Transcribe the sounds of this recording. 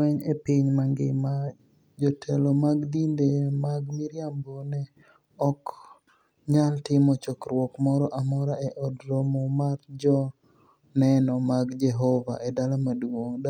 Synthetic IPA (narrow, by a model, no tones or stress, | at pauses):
ɛɲepiɲmaŋɡɪ̰ma | d͡ʒɔtʰɛlɔmaɡd̪indemaɡmɪɾjambonɛ | ɔk | ɲaltɪmɔt͡ʃɔkɾwɔkmɔɾɔʔamɔɾaʔɛʔɔdɾomɔmaɾd͡ʒɔ | nɛnɔmaɡd͡ʒɛɦɔva̰ʔedalamadwoŋd